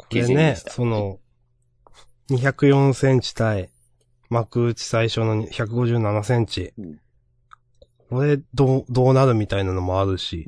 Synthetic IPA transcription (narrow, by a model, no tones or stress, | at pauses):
kʰo̞ɾe̞ne̞so̞no̞ | ɲ̟içakɯ̟jõ̞ɰ̃sẽ̞ɲt͡ɕi̥t̪ai | makɯ̟ːt͡ɕi̥saiɕo̞no̞ɲçakɯ̟ɡo̞ʑɨːnanasẽ̞ɲ̟t͡ɕi | kk̚o̞ɾe̞d̪od̪o̞ːnaɾɯ̟mʲit̪ainano̞mo̞aɾɯ̟ɕi